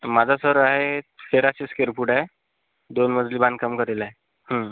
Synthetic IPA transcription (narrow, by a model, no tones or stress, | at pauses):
mad͡zʱasəɾaɦefeɾat͡ɕeskeɾpuʈae | d̪onməd͡zʱlibãnd̪kəmkəɾelae | hə̃